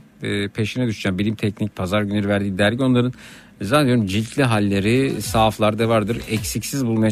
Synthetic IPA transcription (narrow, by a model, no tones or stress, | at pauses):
pʰe̞ʃinɛd̪uʃd͡ʒaːmbilʲimt̪ʰɛcnic̚ʲpʰazaɾɟyneɾivæɾd̪iːd̪æɾɟio̞nlˠaɾɯn | zand̪joɾumd͡ʒilʲc̪ʰlʲiɦalʲːe̞ɾisaːflˠaɾd̪avaɾd̪ɯɾɛcsicsizbulˠmaja